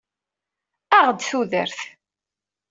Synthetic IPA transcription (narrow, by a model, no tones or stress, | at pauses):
æʁd̪θuðəɾθ